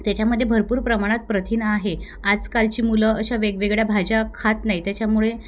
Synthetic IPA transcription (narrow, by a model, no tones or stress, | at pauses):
t̪jat͡ɕjaməd̪ʱːjebʱəɾpuːɾpɾəmaɽ̃at̪̚pɾət̪ʰiːnəaɦe | ad͡zkalt͡ɕiːmuləəɕaʋeɡʋeɡɭjabʱad͡ʑakʰat̪najt̪jat͡ɕjamuɭe